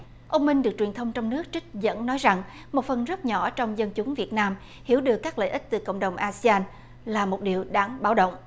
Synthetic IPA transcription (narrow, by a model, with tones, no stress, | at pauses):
ʔə˧wŋ͡mmï˧ŋ̟ɗɨ˨˩ək̚t͡ɕwi˨˩nt̪ʰə˧wŋ͡mt͡ɕɔ˧wŋ͡mnɨ˦˥ək̚t͡ɕï˥k̟̚zə̰˧˥nnɔ˨˦jza˨˩ŋ | mo˨˩t̚fə˨˩nzə˦˥t̚ɲɔ˧˩t͡ɕɔ˧wŋ͡mzə˧nt͡ɕʊ˨˦ŋ͡mvi˨˩ət̚naː˧m | hi˧˩əwɗɨ˨˩əkːaː˦˥k̚lə̰ː˧˨jʔï˦˥k̟̚t̪ɨ˨˩ko̰˧˨wŋ͡mɗə˨˩wŋ͡mʔaː˧si˧aː˧n | laː˨˩mo˨˩t̚ɗi˨˩əwɗaː˧˩ŋɓaː˨˦wɗo̰˧˨wŋ͡mʔ